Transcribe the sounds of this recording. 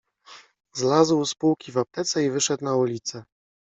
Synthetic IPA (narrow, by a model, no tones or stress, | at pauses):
zlazwspuwkʲivap̚t̪ɛt̪sɛivɘʂɛt̪naulʲit̪sɛ